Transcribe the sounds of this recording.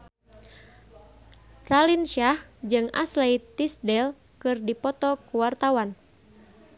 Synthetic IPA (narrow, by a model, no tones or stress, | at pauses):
ralinʃahd͡ʒɨŋa̰slɛjt̪isdɛl | kɨrdipɔt̪ɔkuwart̪awan